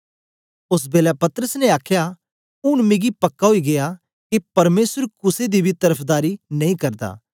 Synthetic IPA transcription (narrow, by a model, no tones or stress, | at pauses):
ʊs̬beːlapɐt̪ɾəsneaːkʰja | ʊnmẽːɡipɐkːaɦoiɡeja | kepɐɾmeːsəɾkʊsed̪ibʱit̪ɐɾəpʰd̪aːɾinɐ̃ĩkɐɾd̪a̰ː